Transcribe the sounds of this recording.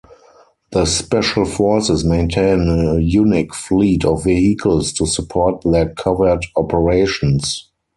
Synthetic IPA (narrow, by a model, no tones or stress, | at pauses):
ðəspɛʃəlfɔɹsɪsmẽɪ̃ntʰẽɪ̃nəjunɪkfliːtʰɔfvihikʰəlstʰusupʰɔːt̚ðɛkʰavə˞dɔpʰəɹeɪʃɔ̃ns